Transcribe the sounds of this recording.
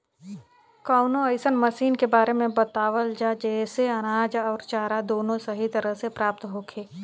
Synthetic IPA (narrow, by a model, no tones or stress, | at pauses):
kaːʊnõɐɪsənmɐsiːnkebaːɾemẽbɐt̪aːʋəld͡ʒad͡ʒɛːseɐñaːd͡ʒɔːɾt͡ʃaːɾad̪oːnõsɐɦit̪ɐɾəɦsepɾaːp̚t̪ɦoːkʰeː